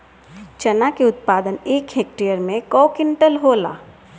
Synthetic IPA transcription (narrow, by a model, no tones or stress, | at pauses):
t͡ʃɐnakeʊt̪̚paːd̪əneːkɦeːk̚ʈijəɾmẽkɔːkɪɳʈəlɦoːla̰ː